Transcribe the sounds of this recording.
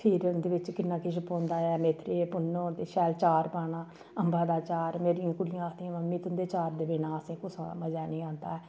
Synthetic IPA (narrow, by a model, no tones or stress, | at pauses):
pʰɪːɾnd̪eːʋɪt͡ʃkɪnːãːkɪʃəpõːnd̪aːɛːmeːt̪ɾeːpʊnːoːt̪eːʃɛːlt͡ʃaːɾpaːnãː | əmbaːd̪aːt͡ʃaːɾmeːɾĩjãːkʊlɪjãːət̪iãməmːĩːt̪ʊnd̪eːt͡ʃaːɾd̪eːbeːnãːəsĩːkʊsməd͡ʒaːnĩːãːnd̪a̰ːɛː